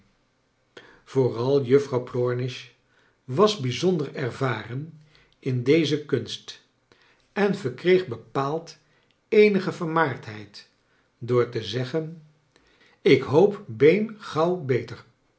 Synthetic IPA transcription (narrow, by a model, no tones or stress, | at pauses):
v̥oːrɑlˠjɵfrɑwplɔɹnɪʃ | ʋɑzbizɔndəɹɛɹvaːrən | ʔɪndejzəkɵnst | ɛnvəɹkrejχbəpaːlˠt | ejnəχəvəɹmaːɹtɦɛjt | dʊːɹtəzɛχən | ɪkɦowpbejnχɑwbejtəɹ